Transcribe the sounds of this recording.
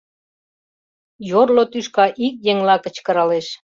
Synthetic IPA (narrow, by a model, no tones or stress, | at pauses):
jorlot̪yʃkɑʔik̚jeŋlɑkə̆t͡ɕkə̆ɾɑleʃ